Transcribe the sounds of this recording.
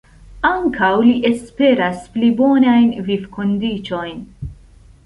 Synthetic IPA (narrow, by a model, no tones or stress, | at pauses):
aŋkawliʔespe̞ɾasplibonajnvivkʰond̪it͡ʃo̞jn